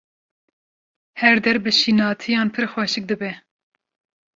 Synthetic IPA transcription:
hɛɾd̪ɛɾbɨʃinɑːt̪ʰijɑːnpʰɨɾxwɛʃɨk̚d̪ɨbɛ

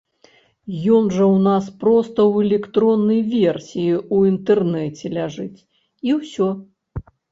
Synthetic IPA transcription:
jɔnʐɐwnaspɾɔst̪ɐwɛlʲɛkt̪ɾɔnːɐjvʲersʲijiuint̪ɛrnɛt͡sʲɛlʲaʐɨt͡sʲ | iwsʲɔ

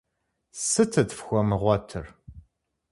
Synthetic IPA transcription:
sɨtʰɨtfxʷɔmɨʁʷɔtʰɨr

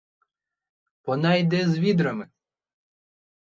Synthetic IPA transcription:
pɔnɑjd̪ɛzʋʲid̪ɾɐmɪ

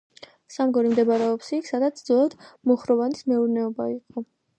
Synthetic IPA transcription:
samɡɔɾimd̪ɛbaɾɛɔpsiːkʰsad̪at̪sʰd̪zɔlˠad̪̥mɔχɾɔvanismɛuɾnɛɔbaiqʼɔ

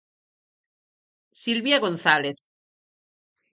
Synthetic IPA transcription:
silβjaɣonθaleθ

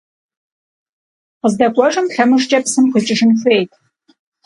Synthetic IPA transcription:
qəzdɐkʷʼɔʐɨmtɬɐmɨʂt͡ʃʼɐpsɨmχət͡ʃʼɪʂɨnxʷeːjtʰ

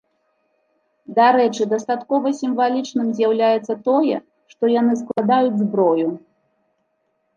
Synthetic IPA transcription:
d̪aɾɛt͡ʂɨd̪ɐst̪at̪kɔvɐsʲimvalʲit͡ʂnɨmzʲjawlʲajɛt̪sːɐt̪ɔjɛ̰ | ʂt̪ɔjanɨsklˠad̪ajud͡zʲzbɾɔju

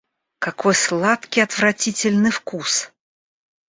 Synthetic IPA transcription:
kakojslˠat̪kʲijɐt̪vɾɐtʲitʲɪlʲnɨjfkus

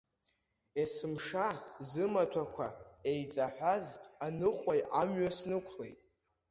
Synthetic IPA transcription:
esɨmʂazɨmatʷʰakʷʰa̰ejt͡sʼaħʷᶣazanɨχʷajamɥasnɨkʷʰlḛjtʼ

